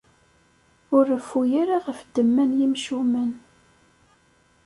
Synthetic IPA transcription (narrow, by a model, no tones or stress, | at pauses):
ʊɾəfujaɾaʁəfd̪əmːænjimʃumən